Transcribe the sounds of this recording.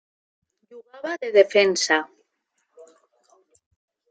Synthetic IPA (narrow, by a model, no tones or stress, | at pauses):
ʎuɣaβaðeðefensa